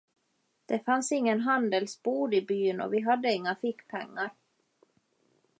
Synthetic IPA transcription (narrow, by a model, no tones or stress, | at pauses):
d̪̥ɛfansɪŋːənɦand̪əlsbuːd̪ɪbyːnɔ̰vɪɦad̪ːəɪŋːafɪkːpʰɛ̰ŋːaɾ